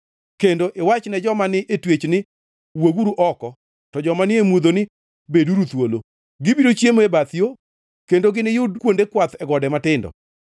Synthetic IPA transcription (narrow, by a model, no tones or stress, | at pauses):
kendoʔɪwat͡ʃnɛd͡ʒɔmanɪʔetwet͡ʃnɪ | weɡuɾuʔɔkɔ | tɔd͡ʒɔmanɪemwod̪onɪ | beduɾut̪wolo | ɡɪbiɾot͡ʃjemebat̪ijo | kendoɡɪnɪjʊdkwondekwat̪ɛɡɔdɛmatɪndɔ̰